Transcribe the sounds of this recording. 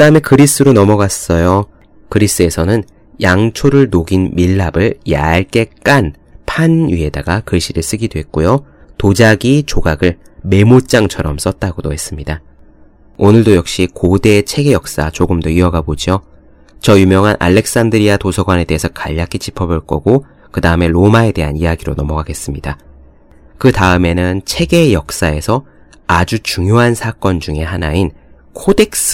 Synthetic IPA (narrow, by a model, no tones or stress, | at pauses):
kɯdaɯme̞kɯɾis͈ɯɾonʌmʌɡas͈ʌjo | kɯɾis͈ɯe̞sʰʌnɯn | jaŋt͡ɕʰoɾɯɭnoɡinmiɭːabɯɭja̰ɭk͈e̞k͈an | pʰanɥie̞da̰ɡakɯɭɕʰiɾɯɭs͈ɯɡidoɦe̞t̚k͈ojo | tod͡ʑaɡit͡ɕoɡaɡɯɭ | me̞mot͡ɕ͈aŋt͡ɕʰʌɾʌms͈ʌt̚t͈aɡodoɦe̞s͈ɯmɲida | onɯɭdojʌk̚ɕ͈ikode̞t͡ɕʰe̞ɡe̞jʌk̚s͈a̰t͡ɕoɡɯmdoiʌɡabod͡ʑio | t͡ɕʌjumjʌŋɦanʔa̰ɭːe̞k̚s͈andɯɾiatosʰʌɡwane̞de̞ɦesʰʌkaʎːakʰid͡ʑi̥pʰʌboɭk͈ʌɡo | kɯdaɯme̞ɾomae̞de̞ɦanijaɡiɾonʌmʌɡaɡe̞s͈ɯmɲida | kɯtaɯme̞nɯnt͡ɕʰe̞ɡe̞jʌk̚s͈ae̞sʰʌ | ad͡ʑut͡ɕuŋjoɦansʰak͈ʌnd͡ʑuŋe̞ɦanain | kʰode̞k̚s͈